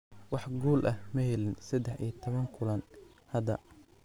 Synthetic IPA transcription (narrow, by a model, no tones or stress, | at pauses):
wɑħɡuːlʔɐhmɐhɛlɪnsɐd̪ɛħḭjɐt̪ʰɔβɐŋkʰʊlɐn | hɐd̪ɐ